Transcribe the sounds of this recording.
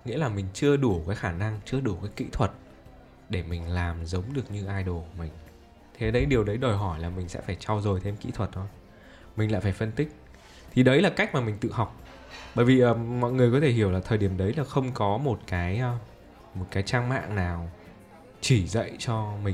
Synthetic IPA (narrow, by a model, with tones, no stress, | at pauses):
ŋḭ˧˥əlaː˨˩mï˨˩ŋ̟t͡ɕɨ˧əɗu˧˩kaː˨˦jxaː˧˩na˧ŋt͡ɕɨ˧əɗu˧˩kaː˨˦jkḭ˧˥t̪ʰwə˨˩t̚ | ɗe˧˩mï˨˩ŋ̟laː˨˩mzə˨˦wŋ͡mɗɨ˨˩ək̚ɲɨ˧ʔaː˧jɗo˨˩kmï˨˩ŋ̟ | t̪ʰe˨˩ɗə˨˧˦jɗi˨˩əwɗə˨˦jɗo˨˩jɦɔ˧˩jlaː˨˩mï˨˩ŋ̟sɛ̰˧˥faː˧˩jt͡ɕa˧wzo˨˩jt̪ʰe˧mkḭ˧˥t̪ʰwə˨˩t̚ʔə˨˧˦ | mï˨˩ŋ̟la̰ː˧˨jfaː˧˩jfə˧nt̪ï˦˥k̚ | t̪ʰi˨˩ɗə˨˦jlaː˨˩ka˦˥k̟̚maː˨˩mï˨˩ŋ̟t̪ɨ̰˧˨ɦa˨˩wk͡p̚ | ɓəː˧˩jvi˨˩ʔəː˨˩mɔ̰˧˨jŋɨ˨˩əjkɔ˨˦t̪ʰe˧˩ɦi˧˩əwlaː˨˩əː˨˩jɗi˧˩əmɗə˨˦jlaː˨˩xə˧wŋ͡mkɔ˨˦mo˨˩t̚kaː˨˦jəː˧ | mo˨˩t̚kaː˨˦jt͡ɕaː˧ŋma̰ː˧˨ŋnaː˨˩w | t͡ɕi˧˩zə̰˧˨jt͡ɕɔ˧mï˨˩